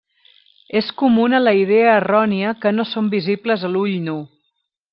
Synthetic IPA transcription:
eskumunələiðeəːrɔniəkənosombizipləzəluʎnu

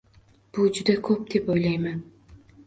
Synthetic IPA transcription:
b̥ʊd͡ʒʊd̪akʰɵp̚d̪̥e̞pojlajman

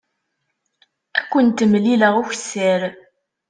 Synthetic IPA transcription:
ækʷːənt̪ːəmliləʁuçsːəɾ

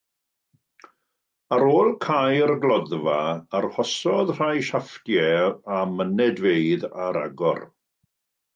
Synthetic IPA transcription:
aɾoːlˠkʰajərɡlˠɔðvaarhɔsɔðr̥ajʃaftjɛamənɛdveɨðaɾa̰ɡɔ̰r

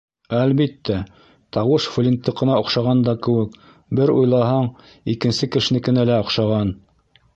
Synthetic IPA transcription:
ælβit̪ːæ | t̪ɑwɤʃflʲint̪ːɤqɤ̆nɑŏqʃɑʁɑnd̪ɑkɘ̆wɘk | bɘɾujlˠɑɦɑɴ | ikɘ̆nsɘkɘ̆ʃɘ̆nɘkɘ̆nælæŏqʃɑʁɑn

